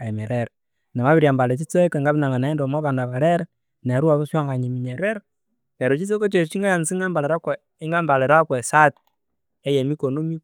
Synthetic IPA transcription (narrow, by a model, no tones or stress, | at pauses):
aimeɾeɾ | nɛmaβiɾjambalet͡ʃit͡sokeŋɡaβinaŋanaindomokandaβaɾeɾ | neɾuaβosaŋɡaɲimiɲeɾeɾ | keɾot͡ʃis̬ekot͡ʃet͡ʃiŋɡajansiŋɡambaleɾakwɛ | iŋɡambaleɾakwɛsat̚ | ejemikonomi